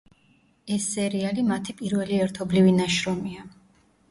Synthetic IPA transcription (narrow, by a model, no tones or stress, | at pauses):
ɛsːɛɾialimat̪ʰipʼiɾvɛliɛɾt̪ʰɔblivinaʃɾɔmia